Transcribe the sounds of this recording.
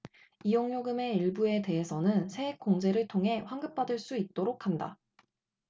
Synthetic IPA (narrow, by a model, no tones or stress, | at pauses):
ijoŋɲoɡɯme̞iɭbue̞te̞ɦesʰʌnɯnsʰe̞ek̚k͈oŋd͡ʑe̞ɾɯɭtʰoŋɦe̞ɸwaŋɡɯp̚p͈adɯɭs͈uit̚t͈oɾokʰhanda̰